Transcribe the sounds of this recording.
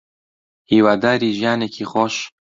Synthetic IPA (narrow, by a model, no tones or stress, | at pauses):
hiːwaːd̪aːɾiːʒijaːnekʰiːχoʃ